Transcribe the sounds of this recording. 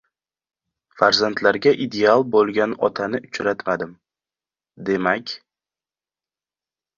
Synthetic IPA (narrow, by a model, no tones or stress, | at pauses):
faɾzant̪ʰlaɾɡʲaʔid̪e̞alˠbolˠɡʲanɒt̪ʰanɪʊt͡ʃɾat̪mad̪ɪm | d̪e̞makʲ